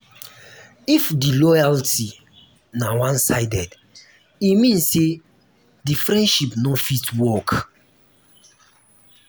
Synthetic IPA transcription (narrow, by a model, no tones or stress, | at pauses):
ifdilɔjalti | nawãnsaɪdɛd | imĩnsse | difɹɛ̃nʃipnɔfitwɔk